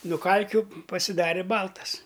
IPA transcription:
nʊ ˈkɐlʲkʲʊ pɐsʲɪˈdɑːrʲeː ˈbɐlˠtɐs

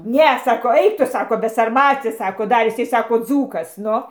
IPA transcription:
ˈnʲɛ sɐˈkɐʊ ˈɐɪk ˈtʊ ˈsɑːkoː bʲɛsɐrˈmɑːt͡sʲɪ ˈsɑːkoː ˈdɐr ɪˈsɐɪ ˈsɑːkoː ˈd͡zuːkɐs ˈnʊ

